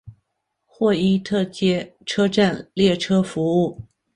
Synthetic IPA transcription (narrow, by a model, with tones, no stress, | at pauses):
xwɔ˥˧i˥t̪ʰɤ˥˧t͡ɕjɛ˥ʈ͡ʂʰɤ˥ʈ͡ʂa˥˧nljɛ˥˩ʈ͡ʂʰɤ˥fu˧˥u˥˩